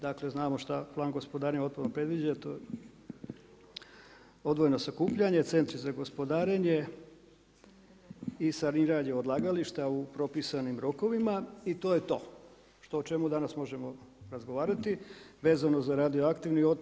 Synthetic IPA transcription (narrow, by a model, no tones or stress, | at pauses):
d̪akle̞znaːmo̞ʃt̪aplˠaːŋɡo̞spo̞d̪aːɾeɲo̞t̪̚punopɾe̞d̪ʋid͡ʑat̪oje | o̞d̪ʋojeno̞sakuːpʎaɲe̞t̪se̞nt̪ɾizaɡo̞spo̞d̪aːɾeɲe̞ | isaɾniɾaɲeo̞d̪lˠaːɡaliʃt̪aupɾo̞pisanimɾo̞ko̞ʋimait̪oːje̞t̪o̞ː | ʃt̪o̞ːt͡ʃe̞mud̪anasmo̞ʒemo̞ɾazɡo̞ʋaːɾat̪iʋe̞ːzano̞zaɾad̪ioakt̪iʋnio